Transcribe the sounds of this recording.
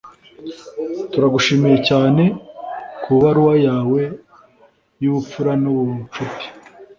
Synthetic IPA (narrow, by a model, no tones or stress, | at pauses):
tuɾaɡuʃimijecaːne̞kʰuβaɾuwajaːwe̞ | juβup͡fuɾanuβut͡ʃupi̥